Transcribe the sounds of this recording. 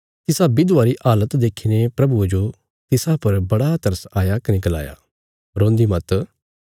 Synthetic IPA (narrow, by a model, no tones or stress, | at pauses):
t̪ɪsabid̪ʊaːɾiʔaːlət̪d̪eːkʰiːnepɾɐbued͡ʒo | t̪ɪsapɐɾbɐɽat̪ɐɾəsaːjakɐneɡɐla̰ːja̰ː | ɾõːnd̪imɐt̪